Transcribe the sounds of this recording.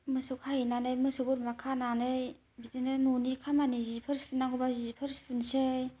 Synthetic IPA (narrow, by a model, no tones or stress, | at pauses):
mɯsukhajinanɯjmɯsuɡuɾmakʰananɯj | bitinɯnunikʰamanizipʰɯɾspʰunaŋɡobazipʰɯɾspʰunsej